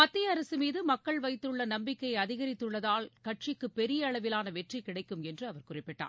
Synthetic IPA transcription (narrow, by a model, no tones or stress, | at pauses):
mɐt̪ːɪjɐɐɾɐsɯmiːðɯmɐkːɐɭʋɐɪt̪ːɯɭːɐnɐmbɪkːɐjɐðɪɣɐɾɪt̪ːɯɭːɐðaːlkɐʈʂɪkːɯpːɛɾɪjɐːɭɐʋɪlaːnɐʋɛʈrikɪɽɐɪkːɯmɛndrɯɐʋɐɾkʊrɪpːɪʈːa̰ː